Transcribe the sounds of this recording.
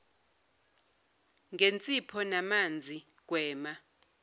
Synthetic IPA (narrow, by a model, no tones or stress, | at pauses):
ŋɡʱent͡sʼipʰɔnamand͡zʱik̬ʼwɛːma